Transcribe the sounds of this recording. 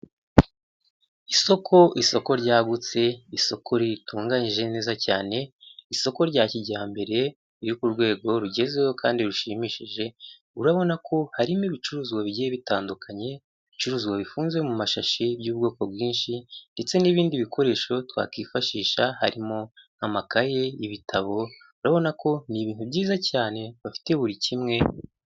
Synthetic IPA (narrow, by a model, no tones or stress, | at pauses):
iso̞kʰo̞ʔiso̞ko̞ɾɟaːɡut͡se̞iso̞kʰo̞ɾituːŋɡaɲiʒe̞ne̞ːzacaːne̞iso̞ko̞ɾɟaːciɟaːmbe̞ɾe̞ | iɾikuɾɡwe̞ːɡo̞ɾuɟe̞zejokaːndiɾuʃimiːʃiʒe̞ | uɾaβo̞nakʰo̞haɾimiβit͡ʃuɾuːzɡwaβiɟijeβitaːndukʰaɲe̞ | it͡ʃuɾuːzɡwaβifuːnzwe̞mumaʃaʃibjuːbɡo̞ːko̞bɡiːnʃinde̞t͡se̞niβiːndiβikʰo̞ɾe̞ːʃo̞twa̰kiːfaʃiːʃaha̰ɾimo̞namakaje̞iβitʰaβo̞ | uɾaβo̞nakʰo̞niβiːnhubɟiːzacaːne̞βafi̥te̞βuɾicimŋe̞